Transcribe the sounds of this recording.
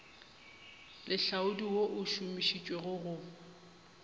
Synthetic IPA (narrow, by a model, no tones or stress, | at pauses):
lʔɪɬaʊdiwoʔʊʃumiʃit͡ʃʼweɣʊɣʊ